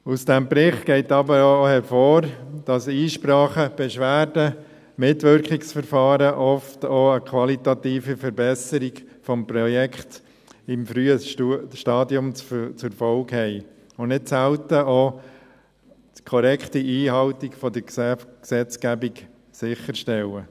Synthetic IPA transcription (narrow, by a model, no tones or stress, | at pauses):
usd̥ɛmbɾɪχtɡ̥ɛɪtɑbəɾoohɛɾfoːɾd̥ɑsiːʃpɾɑːχəb̥ɛʃʋæːɾdə | mɪtʋʏɾkɪksfəɾfɑːɾəʔɔftoːəkʰʋɑlitɑt̪iːfəfəɾbɛsəɾiɡfɔmpɾɔjɛkχt | ɪmfɾyːəʃtɑːdjʊmt͡sft͡sʊɾfɔlkhɛɪ | ʊnɪtsæltəoː | tkʰɔɾɛkχtiiːhɑltikfɔdəɾkksɛt͡skæbik | sɪχːəɾʃtɛlə